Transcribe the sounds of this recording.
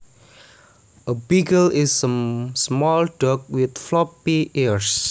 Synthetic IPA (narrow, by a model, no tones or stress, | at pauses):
ʔəbiɡəlɪsəmsmɔlɖɔk̚wit̪̚flɔpːiiɹs